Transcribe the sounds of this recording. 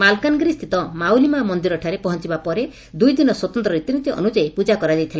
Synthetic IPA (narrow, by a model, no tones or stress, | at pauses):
malkanɔɡɾist̪ʰit̪ɔmawlimamɔnd̪iɾɔʈʰaɾepɔɦɔnt͡ʃibapɔɾe | d̪ujd̪inɔswɔt̪ɔnt̪ɾɔɾit̪init̪iʔɔ̰nud͡ʒaepud͡ʒakɔɾad͡ʒajt̪ʰilae